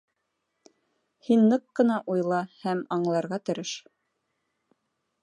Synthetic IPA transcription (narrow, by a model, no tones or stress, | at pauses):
hinːɤqːɤ̆nɑʔujlˠɑhæmɑɴlˠɑɾʁɑt̪ɘ̆ɾɘʃ